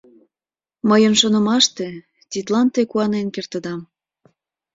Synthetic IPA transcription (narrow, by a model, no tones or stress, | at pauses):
məjənʃonə̆mɑʃt̪e | t̪ʲit̪lɑnt̪ekuɑnenkert̪ə̆d̪ɑm